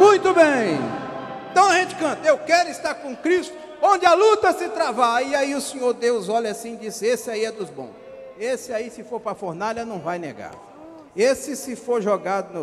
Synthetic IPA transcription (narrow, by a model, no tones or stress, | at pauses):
mũj̃t̪ʊbẽj̃ | ẽt̪ɐ̃w̃aʒẽt͡ʃɪ̥kɐ̃nt̪ɐewkɛɾʊɪst̪aɾkõkɾist̪ʊ | õd͡ʒɪalut̪ɐsɪt̪ɾavaiaiʊsẽɲoɾd̪ewzɔʎasĩd͡ʒisɪesɪaiɛd̪ʊzbõ̰s | esɪaisɪfoɾpɾɐfoɾnaʎɐnɐ̃w̃vajnḛɡa̰ɾ | esɪsɪfoɾʒoɡad̪ʊnʊ